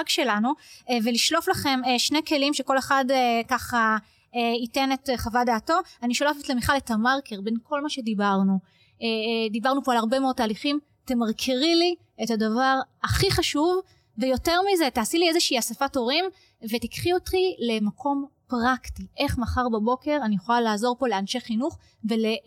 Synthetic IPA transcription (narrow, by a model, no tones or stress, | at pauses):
aɡʃe̞lanuveliʃlo̞flaχe̞mʃneke̞limʃeko̞le̞χadkaχa | eitenetχavadeːto̞aniʃo̞lafetlemiχaletamaʁkeʁbe̞nkʰo̞lmaʃe̞dibaʁnu | dibaʁnupoalaʁbemeo̞d̚taːliχim | temaʁkʰiʁili | etadavaʁaχiχaʃuv | vejo̞te̞ʁmize̞taːsiliezeʃɛiasefato̞ʁim | ve̞tikχiotχile̞makʰo̞mpʁaktiʔe̞χmaχaʁbabo̞ke̞ʁanijeχo̞lalaːzo̞ʁpo̞le̞anʃeχinuχ | vele̞